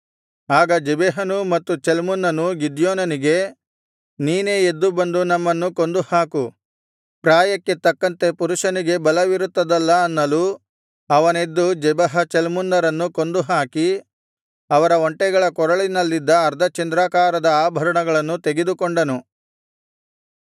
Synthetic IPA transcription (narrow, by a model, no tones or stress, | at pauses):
aːɡɐd͡ʒɛbɛɦɐnumɐt̪ːut͡ʃelmunːɐnuɡid̪joːnɐniɡe̞ | niːneːed̪ːubɐnd̪unɐmːɐnːuko̞nd̪uhaːku | pɾaːjɐkːe̞t̪ɐkːɐnt̪e̞puɾuʂɐniɡe̞bɐlɐʋiɾut̪ːɐd̪ɐlːɐːnːɐlu | ɐʋɐne̞d̪ːud͡ʒɛbɐɦɐt͡ʃelmunːɐɾɐnːuko̞nd̪uɦaːki | ɐʋɐɾɐoɳʈɛɡɐɭɐkɔɾɐɭinɐlːid̪ːɐːɾd̪ʱɐt͡ʃɐnd̪ɾaːkaːɾɐd̪ɐaːbʱɐɾɐɳɐɡɐɭɐnːut̪e̞ɡed̪ukoɳɖɐnu